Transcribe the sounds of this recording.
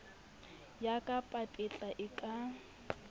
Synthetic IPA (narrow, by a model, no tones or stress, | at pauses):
jakʼapʼapʼɪt͡ɬʼaʔɪkʼa